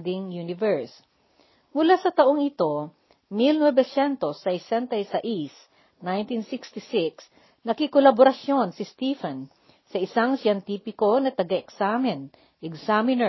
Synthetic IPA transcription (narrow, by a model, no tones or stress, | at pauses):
d̪ɪŋjunɪvɛɹs | mʊlasɐt̪ɐʔoŋɪt̪o̞ | milnwɛbɛsɛnt̪osɐɪsɛnt̪ɐjsɐʔis | najnt̪insikst̪ɪsɪks | nɐkɪkolɐboɾɐsjo̞nsɪst̪ifɛn | sɐʔɪsaŋsjɛnt̪iːpɪko̞nɐt̪ɐɡaɛksamɪn | ʔɛksamɪnɛ